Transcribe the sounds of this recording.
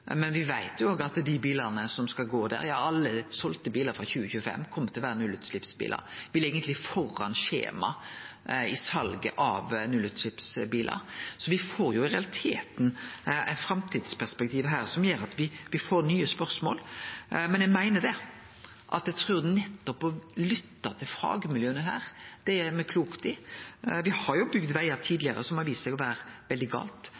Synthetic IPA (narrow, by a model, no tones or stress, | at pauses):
mɛnʋɪʋæɪt̪ʰjʊoːɡəɑt̪d̪ɪbiːləʁnəsɔmskɑlɡoːd̪æ̰ɾjɑːɑlːəsɔlt̪əbiːləɾfɾɑçʉːəçʉːəfɛ̰mːkʰɔmːət̪ʰɪlʋæːɾənʉlʉːt̪slɪpsbḭːlə̰ɾʋɪleːɡənt̪lɪfɔrːɑ̰nʃḛːmɑ̰ | ɪsɑlɡə̰ʔɑʋnʉlʉt̪slɪpsbiːlə̰ɾsɔʋɪfoːɾjʊɪɾɛɑlɪt̪ʰḛːt̪n̩æ̰ɪfɾɑmt̪ʰiːd̪spæʁspɛk̚t̪ʰiːʋəɦæːɾsɔmjøːɾɑt̪ʋɪʋɪfoːɾnyːəspœɾsmo̰ːlmɛnjæɡmæɪnəd̪ɛ | ʔɑ̰t̪jæt̪ʰɾʉːɾd̪ɛnɛt̪ːɔpɔlʏt̪ːɑt̪ʰɪlfɾɑ̰ːɡəmɪljøːnəɦæ̰ːɾd̪̥ɛæmɛkʰluːkt̪ɪʋɪhɑɾjʊbʏɡd̪ʋæɪɑt̪ʰiːd̪lɪəɾə̰sɔmɑʋiːsəsɛɡɔʋæːɾʋɛld̪ɪɡɑ̰ːlt̪